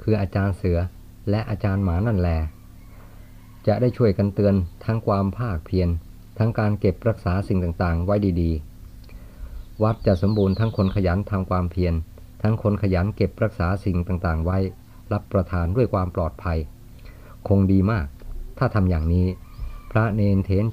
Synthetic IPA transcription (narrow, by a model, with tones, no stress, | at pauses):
kʰɯː˧ʔaː˧t͡ɕaː˧nsɯ˩˦ɐ | lɛ˦˥ʔaː˧t͡ɕaː˧nmaː˩˦na˥˩nlɛː˧ | t͡ɕa˨˩ʔdaː˥˩jt͡ɕʰu˥˩əjka˧nt̪ɯ˧ənt̪ʰa˦˥ŋkʰwaː˧mpʰaː˥˩k̚pʰi˧ən | t̪ʰa˦˥ŋkaː˧nke˨˩p̚ɾa˦˥k̚saː˩˦si˨˩ŋt̪aː˨˩ŋt̪aː˨˩ŋwa˦˥jdiː˧diː˧ | wa˦˥t̪̚t͡ɕa˨˩ʔso˩˦mbuː˧nt̪ʰa˦˥ŋkʰo˧nkʰa˧jaː˩˦nt̪ʰa˧mkʰwaː˧mpʰi˧ən | t̪ʰa˦˥ŋkʰo˧nkʰa˧jaː˩˦nke˨˩p̚ɾa˦˥k̚saː˩˦si˨˩ŋt̪aː˨˩ŋt̪aː˨˩ŋwa˦˥j | ɾa˦˥pːɾa˧t̪ʰaː˧ndu˥˩əjkʰwaː˧mplɔː˨˩t̪̚pʰa˧j | kʰo˧ŋdiː˧maː˥˩k̚t̪ʰaː˥˩t̪ʰa˧mjaː˨˩ŋniː˦˥pʰɾa˦˥neː˧nt̪ʰeː˩˦˥n